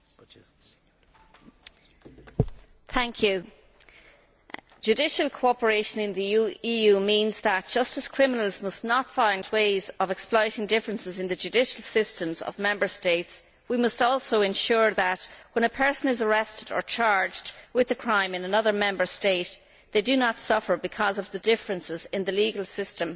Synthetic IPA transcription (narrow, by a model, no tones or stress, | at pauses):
θʰæ̃ŋkʰjʉ | ʒ̥ʉdɪʃəlˠkʰoʊɑpə˞eɪʃə̃nɪ̃nðiijʉmĩnzðət̚d̥ʒ̥ʌstəz̥kʰɹ̥ɪmɪnəlˠzmʌsnətfãɪ̃ndweɪzəvɛksplɔɪɾɪ̃ŋdɪfɹə̃nsɪzɪ̃nðəd͡ʒʉdɪʃəlˠsɪstə̃mzə̰vmɛ̃mbə˞steɪts | wimʌstɔlˠsoʊɨ̃nʃʊɹðətwə̃ñəpʰɜ˞sə̃nɪzəɹɛstədə̰˞t͡ʃʰaɹd͡ʒdwɪðəkʰɹ̥ãɪ̃mɪ̃nənʌðə˞mɛ̃mbə˞steɪt | ðeɪdɨnətsʌfə˞bɨkʰʌzʌvðədɪfɹə̃nsɪzɪ̃nðəliɡəlˠsɪstə̃m